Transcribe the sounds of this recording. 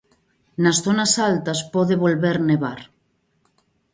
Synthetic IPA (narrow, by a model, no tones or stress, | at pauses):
nɐsθonasalt̪aspoðeβolβeɾneβaɾ